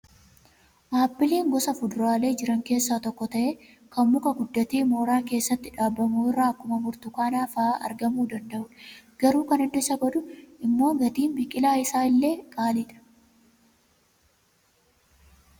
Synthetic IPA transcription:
maːbːɪliːŋɡɔsɐfʊd̪ʊɾaːle̞ːd͡ʒɪɾɐŋke̞ːsːaːt̪ɔkːɔt̪ɐʔe | kɐmmʊkɐɡʊd̪ːɐt̪iːmo̞ːɾaːke̞ːsːɐt̪ːɪᶑaːbːɐmuːɪrːaːɐkːʊmɐmʊɾt̪ʊkaːnaːfɐaːʔɐ̰ɾɡɐmuːd̪ɐnd̪ɐʔʊᶑɡ̥ɐɾuːkɐnɪd̪ʊɪsɐɡɐd̪ʊʔɪmːo̞ːɡɐt̪iːnbɪkʼɪlaːɪsaːɪlːe̞ːkʼaːlɪᶑɐ̥

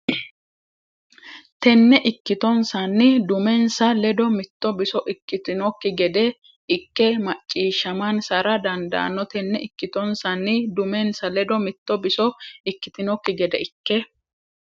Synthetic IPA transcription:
t̪ɛnːɛʔɪkːɪt̪ɔnsɐnːɪd̪ʊmɛnsɐlɛd̪ɔmɪt̪ːɔbɪsɔʔɪkːɪt̪ɪnɔkːɪɡɛd̪ɛ | ɪkːɛmɐt͡ʃʼːiːʃːɐmɐnsɐɾɐd̪ɐnd̪ɐ̰ʔɐ̰nːɔt̪ɛnːɛɪkːɪt̪ɔnsɐnːɪd̪ʊmɛnsɐlɛd̪ɔmɪt̪ːɔbɪsɔɪkːɪt̪ɪnɔkːɪɡɛd̪ɛɪkːɛ

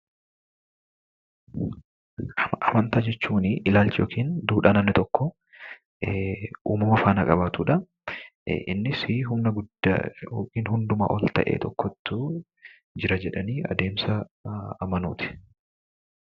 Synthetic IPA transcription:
ʔɐmɐnt̪aːd͡ʒɛt͡ʃːuːnɪʔɪlaːlt͡ʃɪjoːkʰiːnd̪uːᶑaːnɐnːɪt̪ɔkːɔ | ʔuːmɐmɐfaːnɐkʼɐbaːt̪uːᶑɐ | ʔɪ̰nːɪsiɦʊmnɐɡʊd̪̰joːkiːnɦʊnd̪ʊma̰ːʔɔlt̪ɐ̰ʔḛːt̪ɔkːɔt̪ːʊ | d͡ʒɪɾɐd͡ʒɛᶑɐniːɐ̰d̪e̞ːmsɐː | mɐnuːt̪ɪ̥

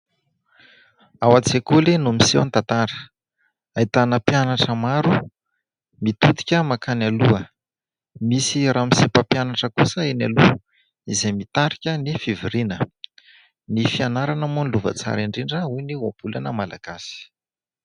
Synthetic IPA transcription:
awat͡sekulenumisewant̪at̪aɾə̥ | ait̪anəpjanaʈ͡ʂəmaɾu | mit̪ut̪i̥kʲəmakanaluə | misiramisepəpjanaʈ͡ʂəkusəena̰lu | izemit̪aɾikʲənifiviɾinə | nifianaɾanəmunluvə̰t͡sa̰ɾiɳɖ͡ʐeɳɖ͡ʐəujniwab̥ulanəmala̰ɡ̥asi̥

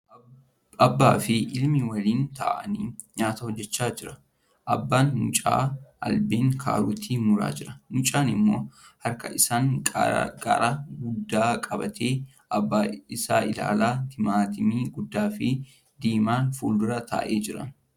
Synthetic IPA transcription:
ɐbːaːfɪʔɪlmɪwɐliːnt̪a̰ːʔɐniːɲaːt̪ɐhɔd͡ʒːɛt͡ʃːaːd͡ʒɪɾɐ | ʔɐbːaːnmʊ̰t͡ʃʼa̰ːʔɐ̰lbeːŋkʰa̰ːɾʊt̪ʰiːmʊɾa̰ːd͡ʒɪɾɐnʊt͡ʃʼaːnɪmːo̞̰ːhɐɾkɐʔɪsaːŋ̰ | ɐ̰ɾaɡʊd̪ːaːkʼɐbɐt̪ʰe̞ː | ɐbːaɪsaːʔɪla̰ːlaːt̪ʰɪmaːt̪ɪmiːɡʊd̪ːaːfɪ | d̪iːmaːnfuːld̪ʊɾɐt̪a̰ːʔeːd͡ʒɪɾɐ̰n

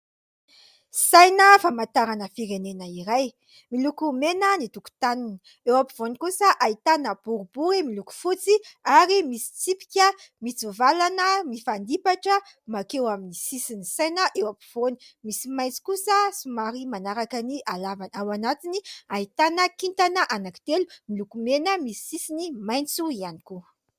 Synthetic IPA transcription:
sajnəfamat̪aɾanəfiɾenenəiɾaj | milukumenənit̪uku̥t̪anini | ewapiv̥onikusəʔait̪anəb̥uɾubuɾimiluku̥fut͡siaɾimisi̥t͡sipi̥kʲəmit͡suvalanəmifand̪ipaʈ͡ʂə | makewaminisisinisenəʔewapi̥v̥onimisimajnt͡si̥kusəsumaɾimanaɾakaniʔalavanawanat̪iniait̪anəkint̪anəʔanaki̥t̪elumilukumenəmisi̥sisinimajnt͡suianiku

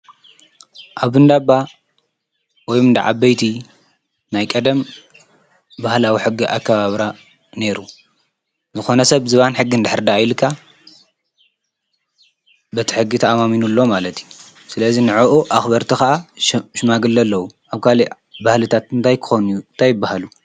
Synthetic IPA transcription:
ʔaβɨnd̪abːa | wɔjmɨnd̪a̰ʕa̰bɐjt̪ʰi | najkʼɐd̪ɐm | bahlawiħɨɡːiʔa̰kːɐβaβɾa | ne̞ɾu | zɨxo̞nɐsɐβzɨβanħɨɡːind̪ɨħɨɾd̪aːjlkʰːa | bɐt̪ʰi̥ħɨɡːit̪ʰɐamaminulːomalɐt̪ʰju | sɨlɐzinɨʕuʔuʔaxbɐɾt̪ʰixɐʔaʃɨmaɡɨlːɐlːɐwuʔaβkʰali | bahlɨt̪ʰat̪̚ɨnt̪ʰajkʰɨ̥xonujunt̪ʰajːɪbːahalu

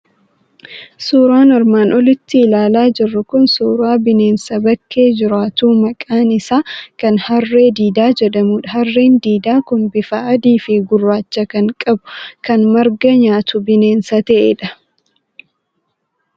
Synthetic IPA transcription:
suːɾaːnɐɾmaːnʔɔlɪt̪ːɪːlaːlaːd͡ʒɪrːʊkʊnsuːɾaːbɪne̞ːnsɐbɐkʰːe̞ːd͡ʒɪɾaːt̪uːmɐkʼaːnɪsaːkɐnhɐrːe̞ːd̪iːd̪aːd͡ʒɛᶑɐmuːᶑɐɦɐrːeːnd̪iːd̪aːkʊnbɪfaʔɐd̪iːfeɡʊrːaːt͡ʃːɐkɐŋkʼɐbʊ̥kɐnmɐɾɡɐɲaːt̪ʊbɪne̞ːnsɐt̪ɐʔeːᶑɐ

